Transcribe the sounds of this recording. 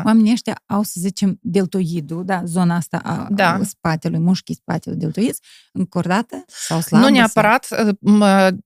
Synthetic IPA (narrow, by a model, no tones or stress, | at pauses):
wamenʲiəʃt̪ʲa̰awsəzit͡ʃe̞md̪e̞lt̪ojid̪ud̪azo̞naast̪a̰ʔa̰aspat̪elujmuʃkʲispa̰t̪ʲelujd̪ʲelˠt̪oid̪z̥ | ɨŋkord̪at̪əsawslanunʲeapəɾat̪mə